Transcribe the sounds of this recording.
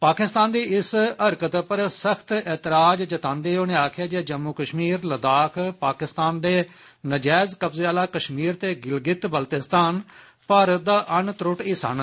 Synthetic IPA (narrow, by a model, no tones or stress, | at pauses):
paːkɪst̪aːnd̪iːɪsəɾkət̪pəɾsəkʰt̪ɛːt̪ɪɾaːd͡ʒd͡ʒət̪ãːnd̪eːoːneːaːkʰjaːd͡ʒeːd͡ʒəmːuːkəʃmiːɾləd̪aːkʰpaːkɪst̪aːnd̪eː | nəd͡ʒɛːzkəpzeːaːlaːkəʃmiːɾt̪eːɡɪlɡɪt̪bəlt̪ɪst̪aːn | pəɾd̪aːʔənt̪ɾʊʈiːsə̰n